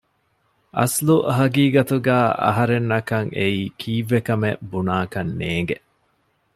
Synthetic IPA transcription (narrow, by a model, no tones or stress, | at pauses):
ʔɐ̰sluɦɐɡiːɡɐt̪uɡæːʔɐ̰ɦɐɾenːɐkɐŋʔeiːkʰiːʋːekɐmebunaːkɐnːeːŋ̆ɡeʔ